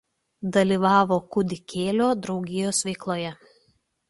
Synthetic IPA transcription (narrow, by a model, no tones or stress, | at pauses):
d̪ɐlʲiːˑʋɑːʋoːkʊd̪ʲɪkʲʰeːlʲoːd̪ɾɒʊɡʲɪjoːsʋʲɛɪklˠoːjɛ